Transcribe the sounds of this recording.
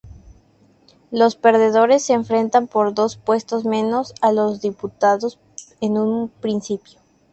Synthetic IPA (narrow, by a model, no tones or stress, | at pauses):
lospe̞ɾðe̞ðo̞ɾe̞sːeːɱfɾe̞nt̪ampo̞ɾðo̞spwe̞st̪o̞zmẽ̞no̞salo̞zðiput̪aðo̞s | enũnpɾinsipjo